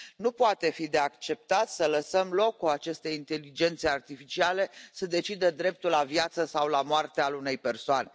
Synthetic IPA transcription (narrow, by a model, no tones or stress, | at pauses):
nupoat̪e̞fid̪e̞akt͡ʃe̞p̚t̪at̪sələsəmlo̞kːuat͡ʃe̞st̪e̞int̪e̞lid͡ʒe̞nt̪seart̪ifit͡ʃiale̞səd̪e̞t͡ʃid̪əd̪ɾe̞p̚t̪ulːavjat̪səsawlamoart̪ealune̞jpe̞rsoane̞